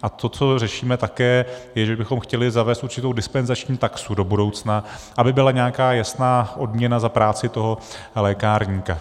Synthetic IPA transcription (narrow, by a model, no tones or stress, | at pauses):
ʔat̪o̞t͡so̞rɛʃiːmɛt̪akɛːjɛʒɛbɪxo̞mxcɛlɪzavɛːst̪ʔuɾt͡ʃɪt̪o̞wdɪspɛnzat͡ʃɲiːt̪aksudo̞budo̞wt͡snaʔabɪbɪlaɲɛakaːjasnaːʔo̞dmɲɛnazapɾaːt͡sɪt̪o̞ɦo̞ | lɛːkaːɾɲiːka